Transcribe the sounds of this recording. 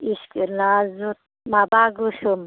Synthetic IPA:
iʃkiɾnazut̪̚ | mabaɡuʃum

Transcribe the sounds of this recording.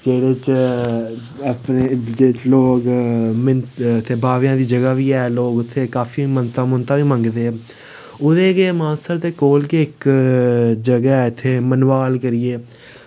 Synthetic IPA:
d͡ʒeːɽeːt͡ʃ | əpneːd͡ʒeːt͡ʃloːɡmɪnt̪ʰeːbʱaːʋjãːd̪iːd͡ʒəɡaːʋiːɛːloːɡʊt̪ʰːeːkaːfiːmənt̪ãːmʊnt̪ãːʋiːmə̃ŋɡd̪eː | ʊd̪eːɡeːmãːsəɾt̪eːkoːlkeːɪk | d͡ʒəɡaːɛːɪt̪ʰːeːmənʋaːlkəɾɪeː

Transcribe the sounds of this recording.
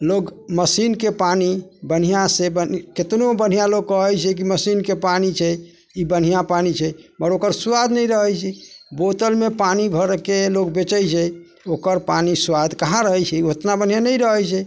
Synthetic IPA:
loɡməsinkepanibən̤ijãsebəket̪nobən̤ijaloɡ̚kəɦəjt͡ʃʰɛk̬iməsinkepanit͡ʃʰɛ | ibən̤ijãpanit͡ʃʰɛməɾokəɾswad̪ʱnɛjɾəɦɛjt͡ʃʰɛbot̪əlmepanibʱəɾkelokbet͡ʃəjt͡ʃʰɛ | okəɾpaniswad̪ʱkaɦãɾəɦɛjt͡ʃʰɛot̪nabən̤ijanəjɾəɦɛjt͡ʃʰɛ

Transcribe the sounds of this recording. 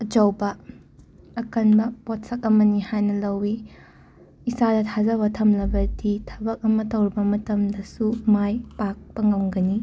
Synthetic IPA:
ɐd͡ʒɐwbɐː | kɐnbɐpot̚sɐk̚ɐmɐnihajnɐlɐwi | isadɐtʰazɐβɐtʰɐmlɐbɐditʰɐbɐk̚ɐmɐtɐwɾibɐmɐtɐmdɐsumajpak̚pɐŋɐwŋɡɐni

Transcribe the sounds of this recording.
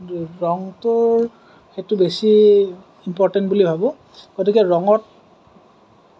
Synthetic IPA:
ɹɔŋtʊɹ | xetʊbesi | impɔɹtɛntbulibʱabʊ̃ | ɡ̥otikɛɹɔŋɔt̚

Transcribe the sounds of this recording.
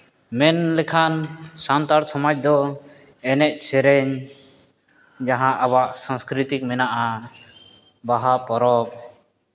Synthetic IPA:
mɛnlɛkʰansant̪aɾsɔmad͡ʒ̚d̪ɔ | ɛnɛʔ̪̚sɛɾɛɲ | d͡ʒaɦãʔaβaʔsãskɾit̪ik̚mɛnaʔa | baɦapɔɾɔp̚

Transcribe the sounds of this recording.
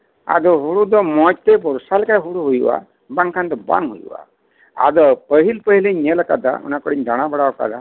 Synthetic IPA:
a̰d̪ɔɦuɽud̪ɔmɔt͡ʃt̪ebɔɾsalkajɦuɽuɦujwa̰ | baŋkʰand̪ɔba̰ŋɦṵjuwa̰ | a̰d̪ɔpəɦilpəɦileɲɲeləkad̪a̰ṵnakɔɽiɲd̪aɽ̃abəɽaɔka̰d̪a

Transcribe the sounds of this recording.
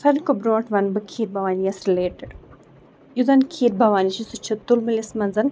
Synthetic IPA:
fɐɾkobɾoːʈʋɐnbɨkʰiːɾbɐʋaːnijɐsɾileːʈəɖ | jud̪ɐnkʰiːɾbʱɐʋaːniʃisut͡ʃʰɐt̪ulmɨlismɐnzɐn

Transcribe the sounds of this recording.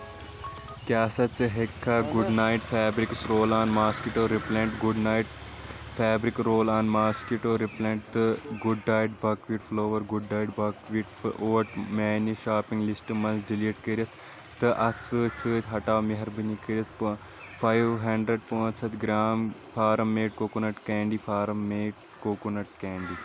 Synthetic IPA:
kaːsɐt̪t͡sɨɦekʰːaɡuɖnaːiʈpʰaːbɾiksɾoːlaːnmaːskiʈoːɾiplẽːɳʈɡuɖnaːiʈ | pʰaːbɾikɾoːlaːnmaːskiʈoːɾiplẽːɳʈ̚t̪ɨɡuɖːaːjɖbɐːkʋiːʈfloːʋɐɾɡuɖːaːjʈbɐkʋiːʈoːʈmeːniʃaːpĩŋɡlisʈɨmɐnsɖiliːʈkɐɾiɐt̪ʰ | t̪ɨʔɐt̪t͡sɨːt͡sɨːt̪ʲɦɐʈaːwmiɦɐɾbɨnikɐɾiɐt̪̚ʰpɨ | fʰaːjʋɦɐɳɖɾeɖ̚põːnsʰɐt̪ɡɾaːmpʰaːɾɐmːeːʈ̚koːkunɐʈkeːɳɖifʰaːɾɐmːeːʈ̚ | koːkunɐʈ̚keːɳɖi

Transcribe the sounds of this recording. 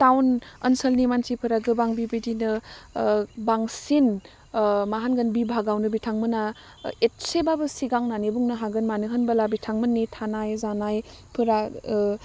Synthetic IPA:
tawnɐ̰nsəlnimansipʰɯɾaɡɯbaŋbibidinɯ | baŋsin | maɦanɡɐnbibʱaɡawnɯbitʰaŋmɯna | et̚sebabɯsiɡaŋnanibuŋnɯɦaɡɯnmanɯɦɯnbɐlabitʰaŋmɯnːitʰanajzanaj | pʰɯɾa

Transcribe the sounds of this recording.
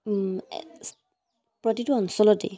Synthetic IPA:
pɹɔtituɔnsɔlɔt̚dḛ

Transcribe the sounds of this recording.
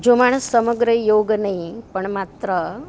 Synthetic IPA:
d͡ʒomaɽ̃əsːəməɡɾəjoɡnəɦĩpəɳmat̪ɾə

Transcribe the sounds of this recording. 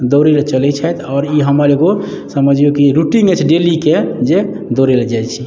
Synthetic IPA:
d̪oɾelet͡ʃəlɛt͡ʃʰɛt̪ʰɔːɾiɦəmaleɡo | səməd͡ʒʱijokiɾuʈĩŋɡət͡ʃʰɖeliked͡ʒe | d̪oɾeled͡ʒajt͡ʃʰi

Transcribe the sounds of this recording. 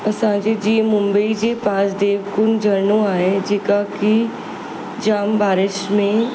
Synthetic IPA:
ɐsãːd͡ʒed͡ʒiẽmʊ̃mbəid͡ʒepãːsd̪eːʋkʊnd͡ʒʱɐɾnõaːɦed͡ʒeːkaki | d͡ʒaːmbaːɾɪʃmẽ

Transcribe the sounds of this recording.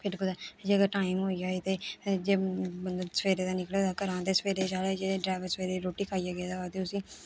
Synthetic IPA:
pʰɪɾkʊd̪aːd͡ʒeːəɡəɾʈaːɪmɦoːid͡ʒaːiːt̪eːd͡ʒeːbənd̪osʋeːɾeːt̪aːnɪkleːt̪akəɾãːnt̪eːsəʋeːɾeːd͡ʒaːleːd͡ʒeɖɾaːʋəɾsʋeːɾeːɾoːʈiːkʰaːijaːɡɪjaːd̪aːaːt̪eʊsĩː

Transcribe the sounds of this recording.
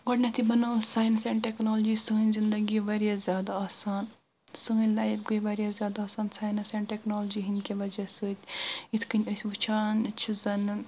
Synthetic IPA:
ɡɔʈnɐt̪ʰibɐnaːwsaːjnseːɳʈeknoːld͡ʒisəɦnʲzind̪ɐɡiʋɐɾijazʲjaːd̪aaːsaːn | sɨɦnʲlaːjbɡəʋɐɾʲjazjaːd̪aːsaːnsaːjnɐseːɳʈeknoːld͡ʒiɦinʲkʲiʋɐd͡ʒɐsɨt̪ʲit̪ʰkɨnʲəsʲʋɨt͡ʃʰaːnt͡ʃʰizɐn

